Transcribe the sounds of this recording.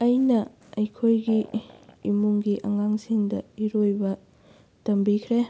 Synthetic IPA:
ɐjnɐ | ɐjkʰojɡiimuŋɡiʔɐŋaŋsiŋdɐiɾojbɐ | tɐmbikʰɾe

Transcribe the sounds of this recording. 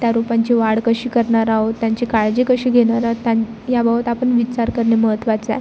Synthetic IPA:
t̪jaɾupaɲt͡ɕeʋaɽkəɕiːkəɾɳaɾaɦot̪ːjãɲt͡ɕekaɭd͡ʑekəɕiːɡʱeɽ̃aɾaot̪ja | jabəbət̪apəɳʋit͡ɕaɾkəɾɳeməɦət̪ʋat͡saj

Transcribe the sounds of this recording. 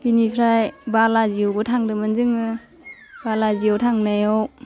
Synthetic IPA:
binipʰɾajbalaziowbɯtʰaŋdɯmɯnzɯŋɯ | balaziɔwtʰaŋnajɔw

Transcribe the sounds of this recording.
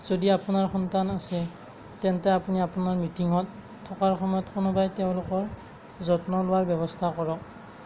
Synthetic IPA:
z̥odiapunaɹxɔntanasɛ | tɛntɛapuniapunaɹmitiŋɔtʰː | ɔkaɹxɔmɔjɔtkʊnʊbajtɛʊ̃lʊkɔɹ | zɔtnɔlʊwaɹbjɔbɔstʰakɔɹɔk̚

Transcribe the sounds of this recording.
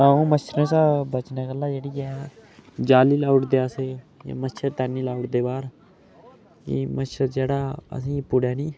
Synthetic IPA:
aːũːmət͡ʃʰɾə̃ːsaːbət͡ʃneːɡəlːaːd͡ʒeːɽiːɛː | d͡ʒaːliːlaːuʊʈd̪eːəse | ja̰ːmət͡ʃʰəɾt̪ɛːnːiːlaːuʈd̪eːbaːɾ | kḭməʃʰəɾd͡ʒeːɽaːə̰sĩːpʊɽɛːniː

